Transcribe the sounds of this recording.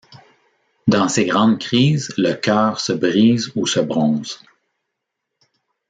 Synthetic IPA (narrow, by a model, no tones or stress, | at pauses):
d̪ɑ̃seɡʁɑ̃d̪kʲχiːzləkʲœːʁsəbʁiːzusəbʁɔ̃ːz̥